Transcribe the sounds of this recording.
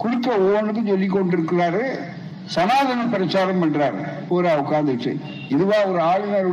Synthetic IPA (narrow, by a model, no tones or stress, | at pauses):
kʊɽɪkːɐoːnɯðɯt͡ʃɔlːɪk̬ːɔɳɖɪɾɯkːɯɾaːɾɯ | sɐnaːðɐnɐpɪɾɐt͡ʃːaːɾɐmɐɳɖɾaːɾpoːɾaʊkːaːnd̪ɪʈːɯ̰ | ɪðɯʋaːɔɾɯaːɻɪnɐɾɯ